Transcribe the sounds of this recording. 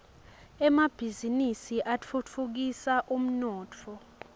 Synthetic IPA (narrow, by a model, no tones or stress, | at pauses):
ɛmab̥ʱizinisiʔat͡fʰut͡fʰuk̬isaʔum̩nɔːt͡fʰɔ